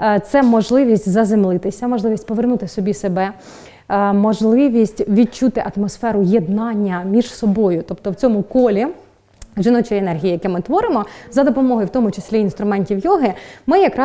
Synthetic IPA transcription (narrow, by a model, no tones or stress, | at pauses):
t̪sɛmɔʒlˠɪʋʲisʲtʲzɐzemlˠɪt̪ɪsʲɐmɔʒlˠɪʋʲisʲtʲpɔʋernut̪ɪsɔbʲisebɛ | mɔʒlˠɪʋʲisʲtʲʋʲid̚t͡ʃut̪ɪʔɐt̪mɔsfɛɾʊjed̪nɑnʲːɐmʲiʒsɔbɔjʊt̪ɔpt̪ɔwt͡sʲɔmʊkɔlʲi | ʒɪnɔt͡ʃɔjɛnɛrɦʲijijɐkɛmɪt̪ʋɔɾɪmɔzɐd̪ɔpɔmɔɦɔjʊwt̪ɔmʊt͡ʃesʲlʲiinst̪ɾʊmɛnʲtʲiwjɔɦɪmɪjɐkɾɑ